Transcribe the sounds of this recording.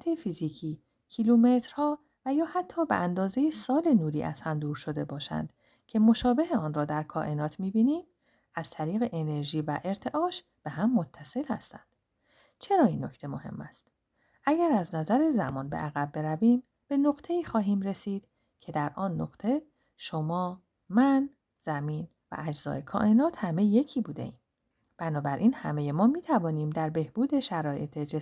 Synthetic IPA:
t̪ʰefiziːcʰiː | cʰilume̞t̪ɾ̥hɒː | væjɒːhæt̪ʰːɒːbḛʔænd̪ɒːze̞jesɒːlenuːɾiːʔæ̰z̥hæmd̪uːɾʃod̪e̞bɒːʃæ̰nd̪̥ | cʰe̞mo̞ʃɒːbe̞ɦeɒːnrɒːd̪æɾkʰɒːʔe̞nɒːt̪ʰmiːbiːniːm | æz̥t̪ʰæɾiːɣe̞ʔene̞ɾʒiːvæʔe̞ɾt̪ʰe̞ʔɒːʃ | b̥e̞ɦæmːot̪ʰːæse̞lhæ̰st̪æ̰nd̪̥ | t͡ʃʰe̞ɾɒːiːnːo̞cʰt̪ʰe̞mo̞he̞̰mːæst̪ | ʔæɟæɾæznæzæɾezæmɒːnbeʔæɣæb̚ːe̞ɾæviːm | b̥e̞noɣt̪ʰe̞iːxɒːɦiːmɾe̞siːd̪̥ | cʰe̞d̪æɾʔɒːnːoɡt̪ʰe̞ | ʃo̞mɒː | mæn | z̥æmiːn | væ̰ʔæd͡ʒz̥ɒ̰ːe̞kʰɒ̰ːʔe̞nɒːt̪hæme̞je̞cʰiːbuːd̪e̞̰iːm | b̥ænɒːbæɾʔiːnhæme̞jemɒːmiːt̪ʰævɒːniːmd̪æɾbe̞hb̥uːd̪e̞ʃæɾɒːje̞̰t̪ʰed͡ʒe

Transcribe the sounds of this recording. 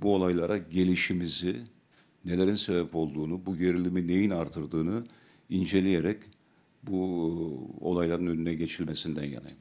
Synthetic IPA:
buo̞lˠajlˠaɾaɟe̞lʲiʃimizi | ne̞lʲe̞ɾinsebɛpo̞lˠd̪uːnubuɟe̞ɾilʲimine̞jinaɾt̪ʰɯɾd̪ɯːnu | ind͡ʒe̞lʲijeɾɛc | bu | o̞̰lˠajlˠaɾɯnønynɛɟe̞t͡ʃʰilʲme̞sind̪ænja̰na̰j

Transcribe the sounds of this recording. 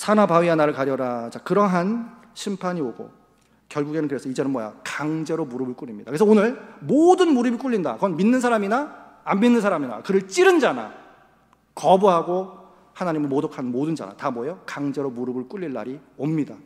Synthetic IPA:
sʰanabaɥianaɾɯɭkaɾjʌɾad͡ʑakɯɾʌɦan | ɕʰimpʰaɲioɡo̰ | kjʌɭɡuɡe̞nɯnkɯɾe̞sʰʌid͡ʑe̞nɯnmwʌja̰kaŋd͡ʑe̞ɾomuɾɯbɯɭk͈uɭːimɲidakɯɾesʌonɯɭmodɯnmuɾɯbik͈uʎːinda̰kɯɡʌnminːɯnsʰaɾaminaː | mbinːɯnsʰaɾamina̰kɯɾɯɭt͡ɕ͈iɾɯnd͡ʑana̰ | kʌbuɦaɡo | hanaɲimɯɭmodokʰanɯnmodɯnd͡ʑa̰na̰tamwʌjʌkaŋd͡ʑe̞ɾomuɾɯbɯɭk͈uɭʎːiɭːa̰ɾiomɲida

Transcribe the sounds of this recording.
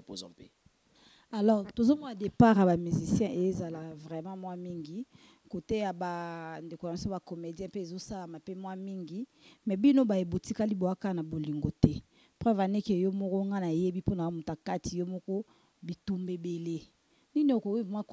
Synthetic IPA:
po̰zɔ̰̃pe | alɔʁtozomɔnadepaʁjabamyzisjɛ̃ʔejezalavʁɛmãmwamiŋɡi | kotejabandekojsoakomedjɛ̃peezosalamapemwamiŋɡi | mɛbinobaebotikaliboakanaboliŋɡotɛ | pʁɛvanekejomɔkɔŋɡanajebiponaamutakatijomɔkɔ | bitumbebele | niniokowimwak

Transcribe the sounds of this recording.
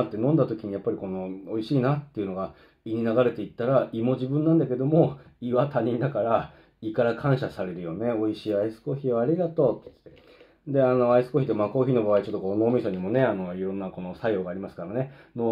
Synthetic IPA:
at̪ːe̞nõ̞nd̪at̪o̞kʲiɲ̟ijapːaɾʲiko̞no̞oiɕiːnat̪ːe̞iɯ̟no̞ɡa | iɲ̟inaɡaɾe̞t̪e̞it̪ːaɾaimo̞ʑibɯ̟̃nːãnd̪ake̞d̪o̞mo̞ | iβat̪aɲ̟ĩnd̪akaɾa | ikaɾakʰãɰ̃ɕasaɾe̞ɾɯ̟jo̞ne̞o̞iɕiːaisɨ̥ko̞çiβaːɾʲiɡat̪o̞ː | d̪e̞ano̞aisɨ̥ko̞çʲit̪eomako̞ːçino̞baβait͡ɕot̪ːokoːno̞ːmʲisaɲ̟imo̞ne̞ano̞iɾõ̞nːako̞no̞sajo̞ːɡaːɾʲimasɨ̥kaɾane̞no

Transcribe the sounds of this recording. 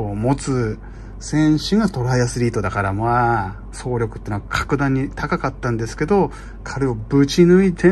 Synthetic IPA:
omo̞t͡sɨ | sẽ̞ɰ̃ɕĩŋɡat̪o̞ɾajasɨɾʲiːt̪o̞d̪akaɾamoa | so̞ːɾʲo̞kɯ̟t̪ːeːnoakʰḁkɯ̟d̪ãɲ̟ːit̪akakat̪ːãnd̪e̞sɨ̥ke̞d̪o̞ | kʰaɾɯ̟obɯ̟t͡ɕinɯ̟it̪ʰe

